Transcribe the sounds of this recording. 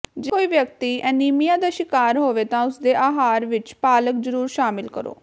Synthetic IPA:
d͡ʒɪoːiːʋjəkt̪iːʔɛːniːmijãːd̪aːʃɪkaːɾɦoːʋeːt̪ãːʊsd̪eːʔaːɦaːɾʋɪt͡ʃpaːləkzəɾuːɾʃaːmɪlkəɾo̰ː

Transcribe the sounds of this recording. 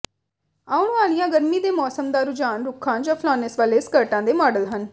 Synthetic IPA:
aːʊɳaːlɪjãːɡəɾmiːd̪eːmɔːsəmd̪aːɾʊd͡ʒaːnɾʊkʰãːd͡ʒãːpʰlaːnesʋaːleːskəɾʈãːd̪eːmɔːɖəlɦən

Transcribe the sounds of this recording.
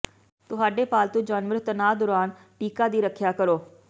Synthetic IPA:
t̪ʊɦaːɖeːpaːlt̪ũːd͡ʒaːnʋəɾt̪ənaːd̪ʊɾaːn | ʈiːkaːd̪iːɾəkʰjaːkəɾoː

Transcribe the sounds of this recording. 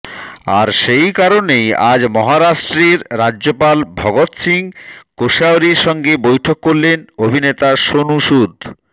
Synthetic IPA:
a̰ɾʃejkaɾoneja̰d͡ʑmɔɦaɾaʃʈɾeɾɾad͡ʑʑopalbʱɔɡot̪siŋkoʃaoɾiɾʃɔŋɡebojʈʰokːoɾlenobʱinet̪aʃonuʃud̪ʱ

